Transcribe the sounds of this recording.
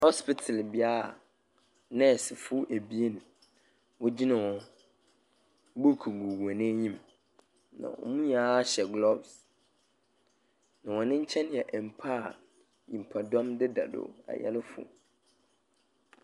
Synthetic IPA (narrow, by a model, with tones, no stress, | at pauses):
hɔ˦spɪ˦tʰa˨lbɪ˨a˦a˨ | nɛ̃˦˨sɪ˨fʊ˦ʔæ˨bi˦e˦nʊ̃˨ | wɔ˦d͡ʑi˦nɪ̃˨wɔ̃˨˦ | bo˦˨kʰu˨ɡu˨wu˨ã˨nɪ̃˦ɲĩ˦m | nã̰˨wɔ̰˨mũ˦ɲãː˨˦ɕɛ˨ɡlɔ˦˨bs | nã˨wɔ̃˨nɪ̃˦ɲ̩˦t͡ɕʰɛ̃˦n˦jɛ˨ʔɛ˨m̩˨pʰa˦˨ | ɲĩ˨m̩˨pʰa˨dɔ̃˦mdɪ˦da̰˨do̰˨a̰˨jɛ̰˦lɪ˦fʊ̰˨